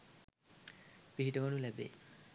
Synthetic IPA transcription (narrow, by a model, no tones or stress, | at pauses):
piɦiʈəʋonulɛbḛː